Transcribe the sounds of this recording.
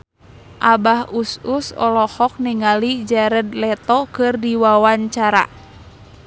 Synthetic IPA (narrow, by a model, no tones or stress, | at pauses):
ʔabahususɔ̰lɔhɔk̚niŋalid͡ʒaɾədlɛt̪ɔkɨrdiwawaɲt͡ʃaɾa̰